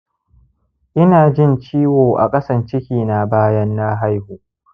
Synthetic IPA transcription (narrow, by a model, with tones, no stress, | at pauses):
ʔɪ˦naː˨d͡ʒɪ˦nt͡ʃiː˦woː˨ʔa̰˨kʼɐ˦sɐ˨nt͡ʃɪ˦kʲiː˨na˨baː˦jɐ˦nːa˦ɦa˦jhuː˨